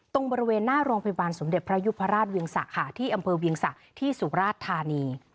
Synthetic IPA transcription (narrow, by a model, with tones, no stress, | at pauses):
t̪o˧ŋbɔː˧ɾi˦˥weː˧nːaː˥˩ɾuː˧əŋpʰa˧ja˧baː˧nso˩˦mde˨˩t̪̚pʰɾa˦˥ju˦˥pʰːa˧˥ɾaː˥˩t̪̚wi˧əŋsa̰˨˩ʔkʰa˨˩t̪ʰiː˥˩ʔa˧mpʰɤː˧wi˧əŋsa˨˩ʔt̪ʰiː˥˩su˩˦ɾaː˥˩t̪ʰːaː˧niː˧